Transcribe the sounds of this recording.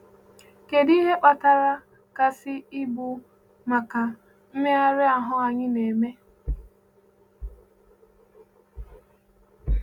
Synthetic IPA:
ke˨di˦ɦe˦k͡pa˨ta˦˨ɾa˦ | ka˨sɪ˦ɪ˦bu˨ | ma˨ka˨ | m̩˦me˦a˦ɾɪ˦a˨ɦʊ˦a˨ɲɪ˦ne˨me˦

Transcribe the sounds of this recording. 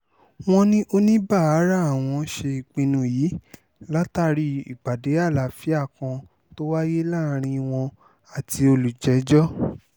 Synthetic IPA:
w̃ɔ̃˧nĩ˦ʔo˦nĩ˦ba˦˨a˨˦ɾa˦a˦˨w̃ɔ̃˧ʃe˧i˨k͡pĩ˧nũ˧jiː˨˦ | la˦ta˦˨ɾi˧ḭ˨ɡ͡ba˨de˨˦a˦˨la˨fi˨˦a˦˨kã˧ | to˦wa˦je˦la˦˨˦ɾ̃ĩ˧w̃ɔ̃˧ | a˨ti˧o˧lu˨d͡ʒɛ˨˦d͡ʒɔ˦

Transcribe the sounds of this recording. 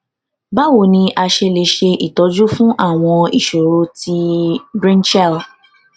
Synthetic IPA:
ba˦wo˨nĩ˧ʔa˧ʃe˧le˨˧ʃe˧i˨tɔ˨˦d͡ʒu˦fũ˦ʔa˦˨w̃ɔ̃˧i˨ʃo˨ɾo˧ti˧bɾĩ˦nt͡ʃɛ˦˨l

